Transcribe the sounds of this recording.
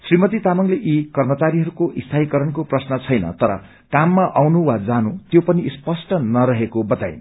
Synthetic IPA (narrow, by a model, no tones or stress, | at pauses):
srimʌt̪it̪amʌŋleʔikʌrmʌt͡saɾiɦʌɾukoʔist̪ʰaɦikʌɾʌnkoprʌsnʌt͡sʰʌjnʌ̰t̪ʌɾʌ̰ | kamːaʔawnuwad͡zanut̪jopʌnispʌsʈʌnʌɾʌɦekobʌt̪a̰jn